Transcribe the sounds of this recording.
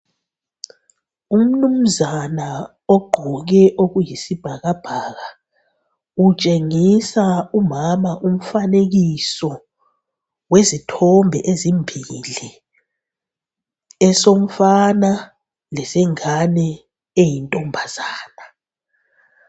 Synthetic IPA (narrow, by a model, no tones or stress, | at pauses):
um̩num̩zana | ɔɡ͡ǃʱɔɣ̬ɛʔoɣujisib̥ʱaɣab̥ʱaɣa | ut͡ʃʼeŋisaumamaʔum̩faneɣ̬isɔ | wezitʰɔmbʱɛʔezimbʱili | ɛsom̩fana | lɛsɛŋanɛ | ejintʼɔmbʱazaːna